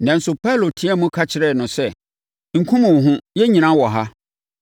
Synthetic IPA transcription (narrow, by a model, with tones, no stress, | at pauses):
nã˨n̩˦sʊ˨pʰa˦lo˨tʰĩ˦ɛ˦mʊ̃˦kʰa˦t͡ɕʰɪ˨ɾɛ˦˨nʊ̃˨sɛ˦ | ŋ̩˨kʰʊ̃˦mʊ̃˨ɦʊ̃˦jɛ˦ɲĩ˨nã˦wɔ˨ɦa˦